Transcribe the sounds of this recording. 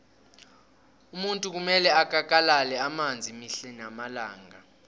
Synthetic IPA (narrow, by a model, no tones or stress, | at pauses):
umuntʼuk̬umɛlɛak̬ʼak̬ʼalalɛamand͡zʱimiɬɛnamalaːŋɡa